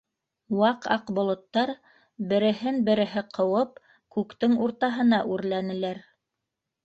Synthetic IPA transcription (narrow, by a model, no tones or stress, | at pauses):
wɑqɑqbŏlˠŏt̪ːɑɾ | bɘ̆ɾɘ̆ɦɘnbɘ̆ɾɘ̆ɦɘqʰɤ̆wɤp̚ | kʉkt̪ɘŋuɾt̪ɑɦɤ̆nɑʔʉɾlænɘ̆læɾ